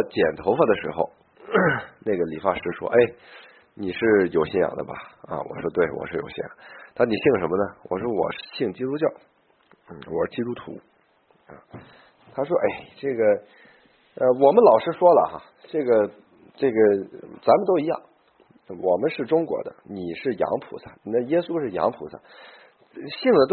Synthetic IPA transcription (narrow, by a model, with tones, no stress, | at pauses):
t͡ɕjɛ˨˩nt̪ʰo˧˥ʊfa˥˩d̪ə˩ʂɻ̩˧˥xo̰˧ʊ | na˥˩ɡə˩li˨˩fa˥ʂɻ̩˧˥ʂwɔ̰˥ʔe˥˩ɪ | ni˨˩ʂɻ̩˥˩jo˨˩ʊɕɛ˥˩jɑ̰˨˩ŋd̪ə̰˦bɐ̰˨ɐ̰˧wɔ̰˨˩ʂwɔ˥t̪we˥˩ɪwɔ̰˨˩ʂɻ̩˥˩jo̰˨˩ʊɕjɛ̰˥˩jɑ̰˨˩ŋt̪ʰa˥˩ni˨˩ɕi˥˩ŋʂə˧˥nmə˧nə˨wʔɔ̰˨˩ʂwɔ˥wɔ̰˨˩ʂ̩˥˧ɕi˥˩ŋt͡ɕi˥t̪u˥t͡ɕjɑ˥˩ʊ | n̩˥˩wɔ˨˩ʂɻ̩˥˩t͡ɕi˥t̪u˥t̪ʰṵ˧˥ | ɐ̰˨˩ | t̪ʰa˥ʂ̬wɔ˥ʔe˥˩ɪʈ͡ʂɤ˥˩ɡə˩ | ə˧wɔ˨˩mə˦nlɑ˨˩ʊʂɻ̩˥ʂwɔ˥lə̰˨xa̰˩ | ʈ͡ʂɤ˥˩ɡə˩ | ʈ͡ʂɤ˥˩ɡə˩t͡sa˧˥nmə˨˧nt̪o˥ʊi˧˥jɑ̰˥˩ŋ˧ | wʔɔ˨˩mə˦nʂɻ̩˥˩ʈ͡ʂʊ˥ŋkwɔ̰˧˥d̪ə̰˧ni˨˩ʂɻ̩˥˩jɑ̰˧˥ŋpʰṵ˧˥sʰa˥˧˩na˥˩jɛ˥su˥ʂɻ̩˥˩jɑ̰˧˥ŋpʰu˧˥sʰa̰˥˧˩ | ɕi˥˩ŋd̪ə˩t̪